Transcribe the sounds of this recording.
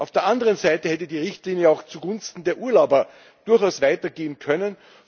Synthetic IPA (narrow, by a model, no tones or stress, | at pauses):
ʔaʊfd̥eːɐʔandəʁənzaɪtəhɛt̬ədiːʁɪçtliːnjəaʊxt͡suɡʊnstn̩deːɐʔuːɐlaʊbɐ | d̥ʊɐxaʊsv̥aɪtɐɡeːənkʰœnən